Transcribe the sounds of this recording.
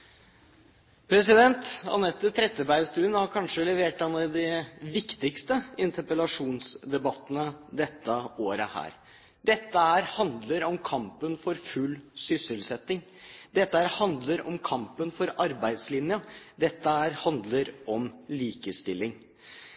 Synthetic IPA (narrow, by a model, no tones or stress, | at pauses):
pʰɾɛsɪd̪ɛnt̪ɑ̰nɛt̪ːət̪ʰɾɛt̪ːəbæɪst̪ʉːnhɑɾkʰɑnʂəlɛʋeːʈɑnːəd̪ɪʋɪkt̪ɪkst̪əɪnt̪əɾpəlɑʂuːnsd̪ɛbɑt̪ːənəd̪ɛt̪ːəoːɾəhæ̰ːɾ | d̪ɛt̪ːəæːɾhɑnd̪ləɾɔmkʰɑmpənfɔɾfʉlːsʏsəlsɛt̪ːɪŋ | d̪ɛt̪ːəhæːɾhɑnd̪ləɾɔmkʰɑmpənfɔɾɑɾbæɪd̪slɪnjəd̪ɛt̪ːəæːɾhɑnd̪ləɾɔmliːkəst̪ɪlːɪŋ